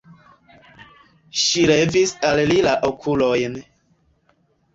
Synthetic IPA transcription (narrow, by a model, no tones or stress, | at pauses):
ʃiɾevisallilaʔokʰulojn